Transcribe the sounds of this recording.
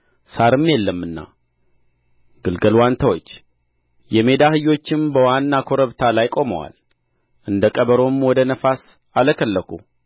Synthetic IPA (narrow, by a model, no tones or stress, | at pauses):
saɾɨmːjɛlːəmːɨnːa̰ | ɡɨlɡəlwant̪ʰawo̞t͡ʃː | jɛme̞d̪ahɨjːo̞t͡ʃːɪmbəwanːakʰo̞ɾəβt̪ʰalajkʼo̞məwa̰l | ʔɨnd̪əkʼəβəɾo̞mwɔd̪ənəfas | aləkʰəlːəkʰṵ